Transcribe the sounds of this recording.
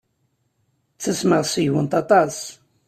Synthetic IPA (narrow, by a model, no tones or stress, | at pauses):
t͡sːəsməʁsiwənt̪ɑt̪ˤɑs